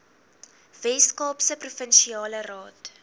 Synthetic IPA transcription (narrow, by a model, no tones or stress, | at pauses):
vɛskɑːpsəprufənʃiɑːlərɑːt